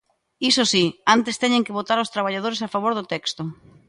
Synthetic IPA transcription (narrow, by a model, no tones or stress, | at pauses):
isosiant̪est̪ɛɲeŋkɪβot̪aɾaʊst̪ɾaβ̞aʎað̞oɾesafaβoɾðʊt̪ɛkst̪ʊ